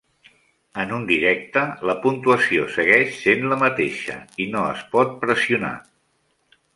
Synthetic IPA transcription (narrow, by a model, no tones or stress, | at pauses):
ənund̪iɾɛk̚t̪ələpunt̪uəsiosəɣɛʃsenləmət̪eʃə̰inoə̰spɔt̪̚pɾəsiuna̰